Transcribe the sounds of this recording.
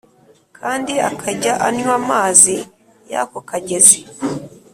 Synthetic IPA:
kʰaːndiakʰaɟaʔanɲwamaːzi | ja̰kokaɟeze

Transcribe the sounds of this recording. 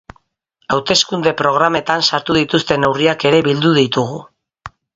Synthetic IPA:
awt̪e̞skund̪e̞pɾo̞ɣ̞ɾame̞t̪ansaɾt̪uðit̪ust̪e̞ne̞wriake̞ɾe̞βild̪uðit̪uɣ̞u

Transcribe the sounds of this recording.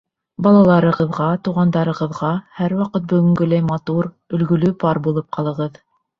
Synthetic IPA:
bɑlˠɑlˠɑɾɤ̆ʁɤ̆ðʁɑt̪uʁɑnd̪ɑɾɤ̆ʁɤ̆ðʁɑhæɾwɑqɤt̪̚bɵ̆ɡɵ̆ŋɡɵlæjmɑt̪uɾ | ɵ̆lɡɵ̆lɵpɑɾbulˠɤp̚qɑlˠɤ̆ʁɤð

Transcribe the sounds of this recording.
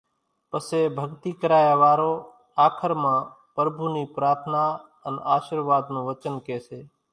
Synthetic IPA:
pəseːbʱəɡt̪iːkəɾaːjaːʋaːɾoː | aːkʰəɾmãː | pəɾbʱuːniːpɾaːɾt̪ʰnaː | ənaːʃəɾʋaːd̪nõːʋət͡ʃənkeːseː

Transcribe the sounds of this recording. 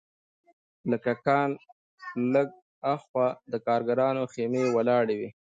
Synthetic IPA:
ləkakɑn | ləɡ̚ | axwad̪əkɑːɾɡaɾɑnoxemewalɑɽewi

